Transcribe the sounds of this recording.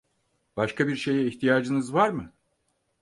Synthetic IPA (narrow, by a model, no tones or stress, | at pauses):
b̥aʃkʰabiɾʃe̞jɛiçt̪ʰijaːd͡ʒɯnɯzvaɾmɯ